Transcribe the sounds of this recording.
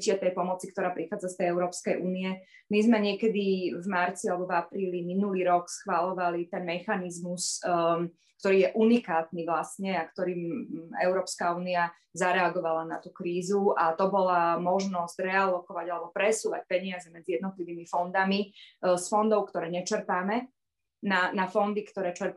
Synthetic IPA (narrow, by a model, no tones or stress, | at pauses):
cɪɛt̪ɛjpɔmɔt͡sikt̪ɔɾaːpɾixaːd͡zast̪ɛjɛʊɾɔːpskɛjʔuːniɛ | mizmɛɲɪɛkɛd̪ivmaɾt͡sialɛbɔvapɾiːliminuliːɾɔksxʋalɔʋalit̪ɛnmɛxanizmus | kkt̪ɔɾiːjɛʔunikaːt̪niʋlasɲɛakt̪ɔɾiːmɛ̰ʊɾɔːpskauːnia | zaɾɛaɡɔʋalanat̪ukɾiːzuat̪ɔbɔlamɔʒnɔzɟɾɛalɔkɔʋaɟalɛbɔpɾɛsuːʋac̚pɛɲɪazɛmɛd͡zijɛd̪nɔt̪liʋiːmifɔnd̪amisfɔnd̪ɔʊkt̪ɔɾɛːɲɛt͡ʃɛɾpaːmɛ | nanafɔnd̪ikt̪ɔɾɛːt͡ʃɛɾp